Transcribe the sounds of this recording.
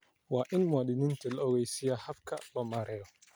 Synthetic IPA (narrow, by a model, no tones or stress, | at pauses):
waːʔɪnmaɗinɪnt̪ilɔwɛsijahafka̰bamaɾɛjɔ